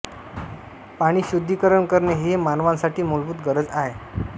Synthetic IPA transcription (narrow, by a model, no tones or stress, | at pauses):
paɽ̃iːɕud̪ʱːikəɾəɳkəɾɳeɦemanʋãnsaʈʰiːmolbuːt̪ɡəɾəd͡zaɦe